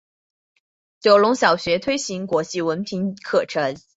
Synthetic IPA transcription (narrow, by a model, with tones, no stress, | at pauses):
t͡ɕjo˧˩ʊlʊ˧˥ŋɕjɑ˨˩ʊɕɥɛ˧˥t̪ʰwe˥ɪɕi˧˥ŋkwɔ˧˥t͡ɕi˥˩wə˧˥npʰi˧˥nkʰɤ˥˩ʈ͡ʂʰə˧˥ŋ